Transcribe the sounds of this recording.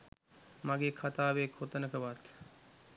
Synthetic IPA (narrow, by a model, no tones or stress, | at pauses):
maɡeːkʰat̪aːʋeːkʰot̪ənəkʰəʋat̪